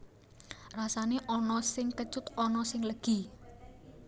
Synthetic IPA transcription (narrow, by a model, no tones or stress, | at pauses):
rasaneʔɔnɔsɪŋkət͡ʃʊt̪ɔnɔsɪŋləɡ̥i̤